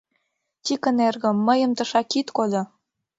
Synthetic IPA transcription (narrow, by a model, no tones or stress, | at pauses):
tʲikə̆nerɣə̆mːəjə̆mt̪ə̆ʃɑkit̪kolʲŏ